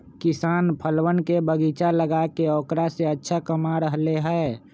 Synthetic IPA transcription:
kɪsaːnpʰəlwənkebəɡit͡ʃaləɡakeɔːkɾaseətːʃʰakəmaɾəɦleɦɛː

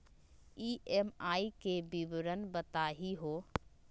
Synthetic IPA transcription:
iemaikebibɾənbət̪aɦiɦo

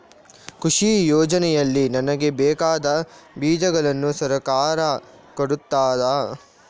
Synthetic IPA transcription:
kuʂijɔːd͡ʒɐnɛjɐlːinɐnɐɡe̞bɛːkaːd̪ɐbiːd͡ʒɐɡɐɭɐnːusɐɾɐkaːɾɐ | koɽut̪ːaːd̪ɐ

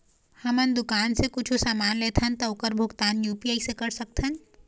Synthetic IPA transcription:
hɐmənd̪ʊkaːnsekʊt͡ʃʰosaːmaːnleːt̪ʰənt̪ɐokəɾbʱʊɡt̪aːnjuːpiaːisekɐɾsɐk̚t̪ʰən

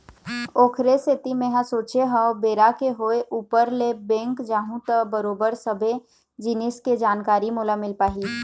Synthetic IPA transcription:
oːkʰɾeset̪imẽɦãsoːt͡ʃeɦə̃obeːɾakeɦoeʔuːpəɾlebɛ̃ːŋkd͡ʒaːɦũt̪əbəɾoːbəɾsəbʱe | d͡ʒɪnɪsked͡ʒaːnkaːɾimuːlamɪlpaːɦi

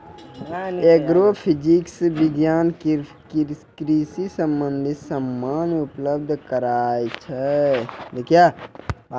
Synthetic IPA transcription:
eɡɾopʰid͡ʒiksbiɡjaːnkkkɾisisəmbə̃nd̪ʱisəmːaːnupləb̚d̪ʱkəɾaːjt͡ʃʰɛd̪ekʰja

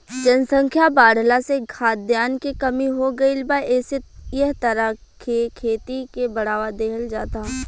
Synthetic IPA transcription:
d͡ʒənsə̃ŋkʰjabaːɽlaseɡʱʰaːt̪̚d̪jaːnkikɐmiɦoɡəilbaɛːsejəɦt̪ɐɾa | kʰekʰeːt̪ikebɐɽ̤aːʋad̪eːɦəld͡ʒaːt̪aɦ

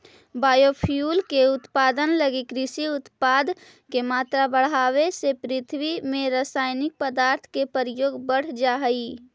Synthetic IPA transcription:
baːjopʰjuːlkeʊt̪paːd̪ənləɡikɾɪsiʊt̪paːd̪ | kemaːt̪ɾabəɽ̤aːwesepɾɪt̪ʰwimẽɾaːsaːjnɪk̚pəd̪aːɾt̪ʰkepəɾəjoːɡbəɽ̤d͡ʒaɦəi

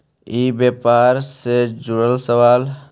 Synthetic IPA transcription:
ibjepaːɾsed͡ʒʊɽəlsəʋaːl

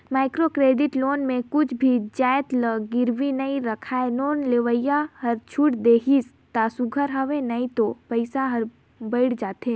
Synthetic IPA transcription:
maːɪkɾokɾeːɖɪʈloːnmẽkʊt͡ʃʰbʱid͡ʒaːjt̪ləɡɪɾʋinɐiɾɐkʰaːenoːnleʋəɪjaɦɐɾt͡ʃʰʊʈd̪eːɦis | t̪aːsʊɡʱəɾɦɐʋẽnɐit̪opɐɪsaɦɐɾ | bəɪɽd͡ʒaːt̪ɦeː

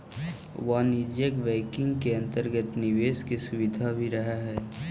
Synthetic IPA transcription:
ʋanɪd͡ʒjəkbɛːkɪ̃ŋɡkeɐ̃nt̪əɾɡət̪nɪʋeːskisʊʋɪd̪ʱabʱiɾɐɦaɦɛː

